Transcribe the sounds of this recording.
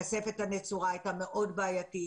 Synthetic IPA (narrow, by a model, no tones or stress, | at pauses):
asefet̪anet͡suʁaːjt̪ameʔo̞d̪baːjat̪i